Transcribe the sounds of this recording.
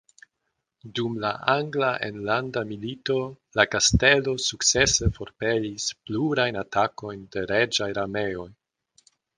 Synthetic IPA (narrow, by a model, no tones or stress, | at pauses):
dumlaʔaŋɡlaʔḛnlandamilito̞ | lakaste̞lo̞suk̚t͡se̞se̞fo̞ɾpe̞lispluɾajnatako̞jnde̞ɾed͡ʒajɾame̞o̞j